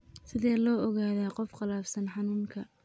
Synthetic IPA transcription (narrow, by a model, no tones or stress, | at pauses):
sɪðɛːlɔːɔɣaːðaːqɔfqɑlaːfsɐnħɑnuːŋkʰɐ